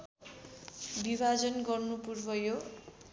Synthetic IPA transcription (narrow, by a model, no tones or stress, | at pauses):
bibʱad͡zʌnɡʌrnupurbʌjo